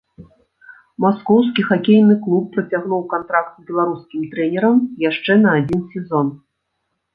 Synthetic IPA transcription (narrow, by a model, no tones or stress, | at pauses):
maskɔwskʲixakʲejnɨklˠupːɾɐt͡sʲaɣnuwkant̪ɾak̚t̪zbʲɛlˠaɾuskʲimt̪ɾɛnʲɛɾɐmjaʂt͡ʂɛnɐːd͡zʲinsʲɛzɔn